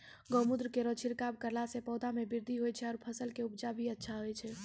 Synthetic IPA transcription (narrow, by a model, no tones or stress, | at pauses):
ɡɔːmʊd̪ɾkeɾot͡ʃʰiɾkab̚kəɾlasepɔːd̪amẽbɪɾd̪ʱiɦojt͡ʃʰɛɔːɾpʰəsəlkeʊb̚d͡ʒabʱiətːʃʰaɦoɛt͡ʃʰɛ